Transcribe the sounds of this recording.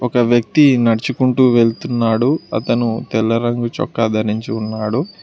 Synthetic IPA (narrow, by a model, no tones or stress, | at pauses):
ɔkɐʋjɐk̚t̪inɐɽt͡ʃukuɳʈuːʋe̞ɭt̪unːaːɽuɐ̰t̪ɐnut̪ɛlːɐɾɐŋɡut͡ʃɔ̰kːaːd̪ʱɐɾiɲt͡ʃiunːaːɽu